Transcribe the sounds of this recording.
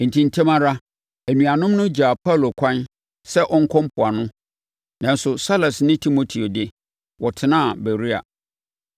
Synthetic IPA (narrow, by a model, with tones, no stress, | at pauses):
n̩˨tʰĩ˨n˦tʰẽ˦mã˦ɾa˦ | æ˨nũ˨a˨nʊ̃˦mnʊ̃˦d͡ʑa˨pʰa˦˨lo˨kʷʰã˦n | sɛ˦ʔɔ˦ŋ̩˦kʰɔ̃˦m˦pʰʊ˨a˨nʊ̃˦ | nã˨n˦sʊ˨sa˦la˨snɪ̃˦tʰi˦mo˨tʰi˨o˨dɪ˦ | wɔ˨tʰɪ˨nãː˦˨bæ˨ɾi˦a̰˨